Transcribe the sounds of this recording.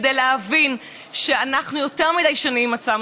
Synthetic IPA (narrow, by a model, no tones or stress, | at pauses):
dejleɦavin | ʃeanaχnujo̞te̞ʁmidajʃanimat͡sam